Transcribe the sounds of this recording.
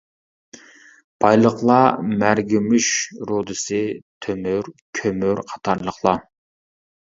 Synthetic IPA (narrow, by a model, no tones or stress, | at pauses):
b̥ɑjlˠəqlˠɑmæɾɡʲimyʃɾod̪ɨsɨt̪ʰømyɾkʲʰømyɾqʰɑ̥t̪ʰɑɾlˠəχlˠɑ